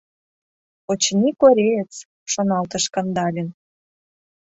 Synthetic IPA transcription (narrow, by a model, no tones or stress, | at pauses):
ot͡ɕnʲikoɾʲeət͡s | ʃonɑlt̪ə̆ʃkɤ̆nd̪ɑlʲen